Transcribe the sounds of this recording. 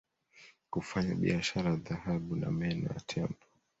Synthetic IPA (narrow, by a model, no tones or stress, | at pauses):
kufaɲaɓḭaʃaɾaðahaɓuna̰mɛnɔ̰ja̰tʰɛndɔ